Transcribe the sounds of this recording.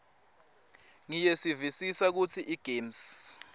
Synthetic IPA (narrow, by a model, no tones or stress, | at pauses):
ŋijesivisisak̬ut͡sʰiʔiɡ̥ʱeːms